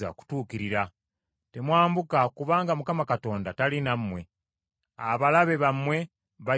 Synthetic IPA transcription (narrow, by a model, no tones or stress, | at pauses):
a̰ku̥tuːkiɾiɾa | te̞mwaːmbukakuβaːŋɡamukamakato̞ːndatalinamːwe̞ | aβalaβe̞βamːwe̞ | βa